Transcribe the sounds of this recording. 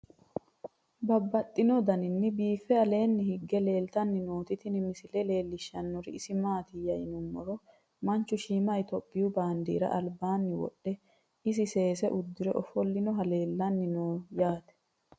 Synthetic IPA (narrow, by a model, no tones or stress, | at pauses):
bɐbːɐt̪ʼːɪnɔd̪ɐnɪnːɪbiːfːɛɐle̞ːnːɪhɪɡːɛle̞ːlt̪ɐnːɪnoːt̪ɪt̪ɪnɪmɪsɪlɛle̞ːlːɪʃːɐnːɔɾɪɪsɪmaːt̪ɪjɐjɪnʊmːɔɾɔ | mɐnt͡ʃːʊʃiːmɐjt̪ɔpʼːɪjʊbaːnd̪ḭːɾɐ̰ʔɐlbaːnːɪwɔ̰ɗːɛ | ɪs̬ɪse̞ːsɛʔʊd̪ːɪɾɛʔɔfɔlːɪnɔɦɐle̞ːlːɐnːɪnoːjaːt̪ɛ̥